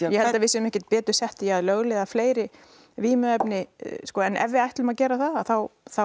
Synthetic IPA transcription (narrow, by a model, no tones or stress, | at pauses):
jɛhɛt̪avɪsɛʏmɛhcɪɾt̪̚pɛːt̪ʏɾ̥sɛht̪ɪjaðlœɣlɛðafleːjɾɪ | viːmʏɛpnɪskɔːɛnʔɛ̰vːɪajht̪lʏmacɛːɾaθaðaðθawθa